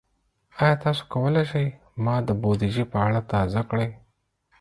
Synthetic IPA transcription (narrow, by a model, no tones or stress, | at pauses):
ɑjɑt̪ɑso̥kawəleʃəj | mɑd̪əbod̪iʒipəaɽat̪ɑzakɽəj